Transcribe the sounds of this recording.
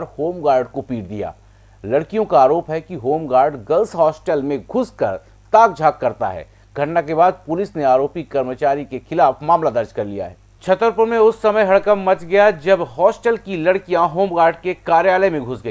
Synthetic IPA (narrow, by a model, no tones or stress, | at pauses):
ɾhoːmɡaːɾɖkopiːʈd̪ḭja̰ː | lɐɽkijõkaaːɾoːpɦɛkiɦoːmɡaːɾɖɡɐlsɦɔːsʈəlmẽɡʱʊskɐɾ | t̪aːk̚d͡ʒʱaːkːɐɾt̪a̰ɦɛ̰ː | ɡʱɐʈnakebaːd̪̚pʊlɪsneaːɾoːpikɐɾmət͡ʃaːɾikexɪlaːfmaːmlad̪ɐɾd͡ʒkɐɾlija̰ɦɛː | t͡ʃʰɐt̪əɾpʊɾmẽʊsːɐməjɦɐɽkəmːɐt͡ʃɡɐjad͡ʒɐbɦɔːsʈəlkilɐɽkijãɦoːmɡaːɾɖkekaːɾjaːləmẽɡʱʊsɡɐ